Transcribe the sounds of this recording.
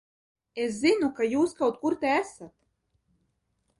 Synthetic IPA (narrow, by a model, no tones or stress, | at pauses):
eszinukajuːskawt̪̚kuɾt̪ɛæsat̪